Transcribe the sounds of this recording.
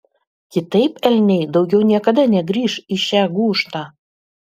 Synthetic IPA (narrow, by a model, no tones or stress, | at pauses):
kʲɪt̪ɐɪpɛlʲnʲɛɪd̪ɒʊɡʲɛʊnʲiɛkɐd̪ɐnʲɛɡɾʲiːʃiʃʲæːɡuːʃt̪ɑː